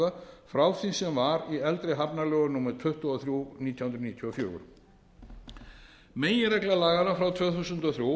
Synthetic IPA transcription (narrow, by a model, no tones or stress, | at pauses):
ðafɾawθinsɛmvaɾiɛlt̪ɾɪɦapnalœːɣʏnuːmɛɾt̪ʰʏht̪ɔɔθɾjuniːt̪jahunɾniːt̪ʰjɔɔfjœ̰ːɣʏ̰ɾ̥ | meːjɪɾɛklalaːɣaɾafɾawt̪ʰvœːθusʏnt̪ɔθɾju